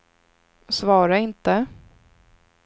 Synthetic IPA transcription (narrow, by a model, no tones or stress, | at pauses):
svɑːɾaɪnt̪ə